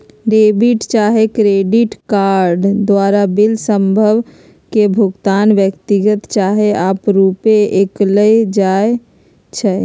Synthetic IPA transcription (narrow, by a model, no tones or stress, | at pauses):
ɾebiʈt͡ʃaːɦekɾeɖiʈkaɾɖd̪waːɾabilsəmbʱəʋ | kebʱʊɡt̪aːnʋjəkt̪iɡət̪t͡ʃaːɦeaːpɾupeekləjd͡ʒae | t͡ʃʰɛ